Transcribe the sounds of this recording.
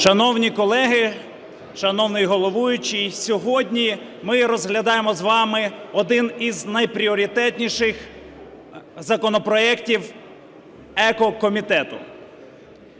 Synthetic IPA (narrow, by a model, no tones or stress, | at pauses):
ʃɐnɔwnʲikɔlˠɛɦɪ | ʃɐnɔwnɪjɦɔlˠɔʋujʊt͡ʃijsʲɔɦɔdʲnʲi | mɪɾɔzɦlʲɐd̪ɑjemɔzʋɑmɪɔd̪ɪniznɐjpɾʲiɔɾʲit̪ɛt̪ʲnʲiʃɪx | zɐkɔnɔpɾɔɛktʲiw | ɛkɔkɔmʲit̪ɛt̪ʊ